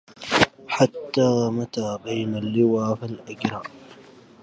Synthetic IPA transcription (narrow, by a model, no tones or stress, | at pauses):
ħat̪ːaːmat̪aːbajnalːɪwaːfalʔaɡɾaː